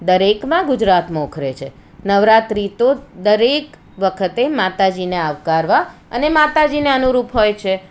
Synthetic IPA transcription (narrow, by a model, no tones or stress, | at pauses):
d̪əɾekmãɡʊd͡ʒɾat̪mãokʰɾet͡ʃʰe | nəʋɾat̪ɾit̪od̪əɾek | ʋəkʰət̪emat̪ad͡ʒineaʋkaɾʋaə̰nemat̪ad͡ʒineənuɾupɦojt͡ʃʰe